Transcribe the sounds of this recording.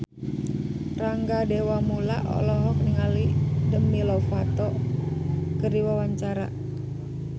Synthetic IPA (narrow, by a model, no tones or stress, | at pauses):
raŋɡadewamula̰ʔɔ̰lɔɦɔk̚niŋalidəmilɔfat̪ɔ | kəɾiwawaɲt͡ʃaɾa̰